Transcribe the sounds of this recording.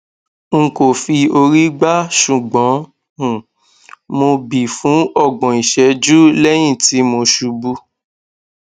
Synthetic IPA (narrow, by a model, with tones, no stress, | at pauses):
ŋ̩˨ko˨fi˧o˧ɾi˦ɡ͡ba˦ʃu˨ɡ͡bɔ̃˨˦˨ | mo˧bi˨fũ˨˦ɔ˦˨ɡ͡bɔ̃˨i˨ʃɛ˨˧˦d͡ʒu˦lɛ˦j̃ĩ˦˨ti˨˦mo˧ʃu˧bu˧